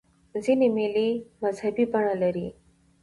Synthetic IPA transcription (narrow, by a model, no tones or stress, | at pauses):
zinemelimɐzhabipaɳ̃alaɾi